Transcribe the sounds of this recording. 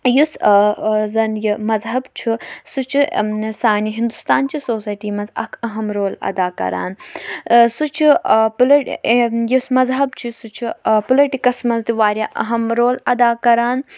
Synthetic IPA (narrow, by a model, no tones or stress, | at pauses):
jus | zɐnjimɐzɦɐbt͡ʃʰusut͡ʃʰisaːniɦind̪ust̪aːnt͡ʃʰisoːsaːjʈiːmɐnzɐ̰kʰɐɦɐmɾoːlɐ̰d̪aːkɐ̰ɾa̰ːn | sut͡ʃʰiplɐjusmɐzɦɐbt͡ʃʰisut͡ʃʰipulɐʈikɐsmɐnzd̪iʋaːɾʲjaːʔɐɦɐmɾoːlɐd̪aːkɐɾaːn